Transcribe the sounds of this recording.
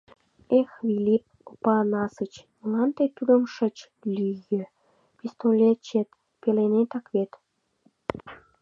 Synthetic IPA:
exβilʲip̚opɑnɑsət͡ɕmunɑnt̪et̪yd̪ə̆mʃə̆t͡ɕ | lyjĕ | pist̪olʲet͡ɕet̪ | pelenet̪ɑkβet̪

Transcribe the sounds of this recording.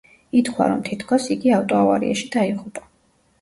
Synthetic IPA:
it̪χʰwa̰ɾɔmt̪ʰit̪ʰkʰɔsiɡiaft̪ʼɔava̰ɾḭʔaʃid̪̥aiʁupʼa

